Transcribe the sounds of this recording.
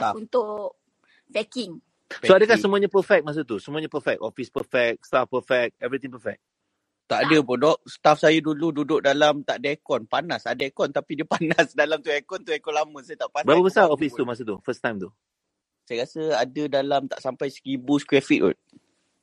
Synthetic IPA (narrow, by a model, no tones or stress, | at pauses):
saunt̪ʊʔ | fɛkɪŋ | poadəkasəmũaɲapəfɛk̚mas̬ət̪̬usəmuaɲapəfɛk̚ɔfispəfɛk̚st̪afpəfɛk̚ɛvɾit̪ĩŋpəfɛk̚ | t̪aʔadəpɔdɔʔst̪afsajədulududʊʔ̚dalamt̪aʔdəɛkɔnpanasadaɛkɔnt̪apidiəpanasdalamt̪uɛkɔnt̪uɛkɔnlamə̃sajət̪aʔpabəɾapəbəsaɔfist̪umas̬ət̪ufəst̪ãjmt̪u | sajəkasəadədalamt̪a̰ʔsampajskibuskɾɛfiʔ̚ʊ̰